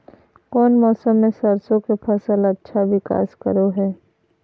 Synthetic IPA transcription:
kɔːnmɔːsəmːẽsɐɾsõkepʰɐsəlɐtːʃʰaʋɪka̰ːskɐ̰ɾoɦɛː

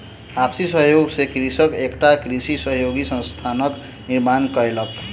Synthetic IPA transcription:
apʰsisʌɦjoɡsekrisʌkekʈakrisisʌɦjoɡisʌ̃nst̪ʰanʌk | niɾmankʌjlʌb̚t̪

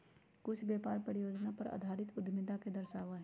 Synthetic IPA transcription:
kʊt͡ʃʰbjeːpaːɾpəɾɪjoːd͡ʒnapɐɾa̰ːd̪ʱaːɾɪt̪ʊd̪mɪd̪aked̪əɾʃaːʋaɦɛ

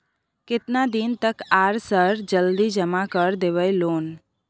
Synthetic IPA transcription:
kɪt̪nad̪int̪əkaːɾsəɾd͡ʒəld̪id͡ʒəmakəɾd̪eʋəjloːn

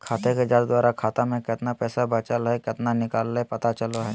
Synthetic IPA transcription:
kʰaːt̪eked͡ʒaːd̪d̪waːɾakʰaːt̪amẽkɪt̪napɛːsabɐt͡ʃəlɦɛkɪt̪nanɪkaːlːepɐt̪at͡ʃɐloɦɛː

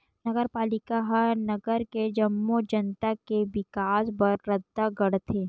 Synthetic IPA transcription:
nɐɡəɾpaːlɪkaɦɐɾnɐɡəɾked͡ʒɐmːod͡ʒɐnt̪akeʋɪkaːsbɐɾːɐd̪aɡɐɽt̪ʰeː

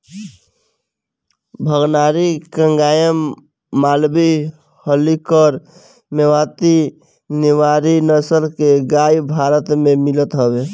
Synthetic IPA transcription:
bʱəɡnaːɾikə̃ŋɡaːjəmː | aːlbi | həlikɔɾ | mewaːt̪i | nɪwaːɾinəsəlkeɡaːjbʱaːɾət̪mẽmɪlət̪ɦəweː

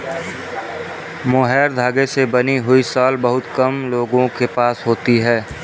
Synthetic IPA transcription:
moːɦɛːɾd̪ʱaːɡesebəniɦʊisaːlbəɦʊt̪kəmloːɡõkepaːsɦoːt̪iɦɛː

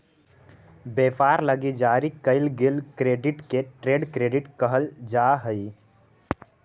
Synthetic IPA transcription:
beːpaːɾləɡid͡ʒaɾikəɪlɡilkɾeːɖɪʈkeʈɾeːɖkɾeːɖɪʈkəɦəld͡ʒaɦəi

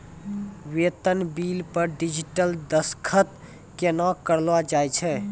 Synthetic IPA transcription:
wet̪ənbilpəɾɖid͡ʒiʈəld̪əskʰət̪ | kenakəɾlʋad͡ʒajt͡ʃʰɛ

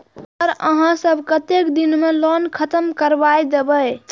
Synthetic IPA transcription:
əɾəɦãsəbʱkət̪ekd̪inmelɔnkʰət̪əmkəɾbajd̪ebəj

